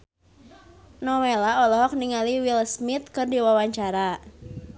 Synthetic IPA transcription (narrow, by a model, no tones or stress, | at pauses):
nɔwelaɔlɔɦɔk̚niŋaliwilsmɪt̪̚kɨrdiwawaɲt͡ʃaɾa